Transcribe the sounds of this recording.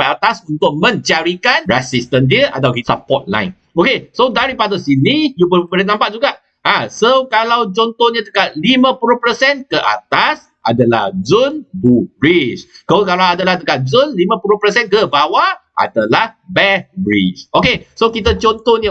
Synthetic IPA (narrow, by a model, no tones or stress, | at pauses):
aʔat̪asunt̪ʊk̚mə̃ɲt͡ʃaɾikanɹɛsist̪əndiəʔa̰t̪awisapɔt̪̚la̰jn | okesodaɾipadəsinijubəbələnãmpaʔ̚d͡ʒuɡaʔ | ãsokalawt͡ʃɔnt̪ɔnɲãt̪əkat̪̚limə̃puɾuhpəsɛnkəʔa̰t̪as | ʔa̰dalahzunbubɾiskokalaadalahd̪əkat̪̚zʊnlimãpuɾuhpəsɛnkəbawaʔa̰dalahbɛt̚bɹḭt͡ʃokesokit̪at͡ʃɔnt̪ɔnɲə